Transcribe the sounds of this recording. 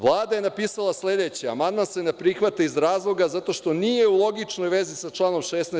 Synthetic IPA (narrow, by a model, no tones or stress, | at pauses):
ʋlˠaːd̪ajenapiːsalˠasle̞d̪et͡ɕia̰mand̪mansenepɾixʋat̪aizɾaːzlˠo̞ɡazat̪o̞ʃt̪o̞nije̞ulˠo̞ɡit͡ʂno̞jʋe̞zisat͡ʃlˠaːno̞mʃesne